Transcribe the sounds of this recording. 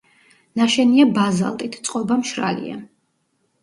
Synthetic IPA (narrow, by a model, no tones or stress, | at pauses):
naʃɛniabaza̰lˠt̪ʼit̪ʰt̪sʼqʼɔbamʃɾa̰lḭa̰